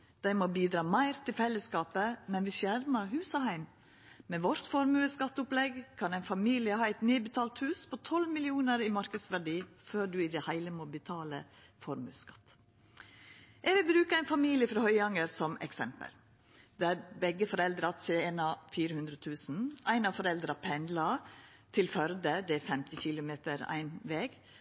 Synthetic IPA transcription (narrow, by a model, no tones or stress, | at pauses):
d̪̥æɪmoːbiːd̪ɾɑːmæɪɾt̪ʰɪlfɛlːəskɑːpəmɛnʋɪʃjæɾməɾɦʉːsɔhæɪm | mɛʋɔɾt̪fɔɾmʉəskɑt̪ːʊplɛɡkʰɑnæɪnfɑmiːlɪəhɑːæɪt̪niːbət̪ʰɑːlt̪hʉːspʰɔt̪ʰɔlmɪlɪuːnəɾimɑɾkəd̪sʋæɖiːføːɖʉɪd̪ɛhæɪləmoːbət̪ʰɑːlə̰ | fɔɾmʉ̰ːskɑ̥t̪ː | ʔɛɡʋɪlbɾʉːkəæɪnfɑmiːlɪəfɾɑhœʏɑŋəɾsɔmɛ̰ksɛmpə̰l | d̪ææɾbɛɡːəfɔɾɛld̪ɾɑt̪seɛnɑfiːɾəhʉnd̪ɾət̪ʰʉːsn̩ʔæɪnɑfɔɾɛld̪ɾɑpʰɛnd̪lɑ | t̪ʰɪlfœɾd̪əd̪ɛæfɛmt̪ɪçɪlʊmeːt̪əɾæ̰ɪnʋeːɡ